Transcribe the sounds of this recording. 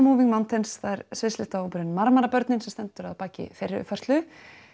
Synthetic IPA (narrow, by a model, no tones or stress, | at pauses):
muːviŋmawnt̪ɪnsθaðɛɾsvɪslɪt̪aowpʏɾɪnmaɾmaɾapœɾt̪nɪnsɛmst̪ɛnt̪ʏɾaðpaːcɪ̰feɾɪʏ̰fœr̥t̪lʏ